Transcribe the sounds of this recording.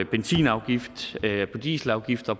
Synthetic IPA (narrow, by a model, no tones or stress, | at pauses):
b̥ensḭːnɑ̈ʊɡ̥ifd̥ʰɒ̽d̥ḭːsl̩ɑ̈ʊɡ̥ifd̥ɐpʰ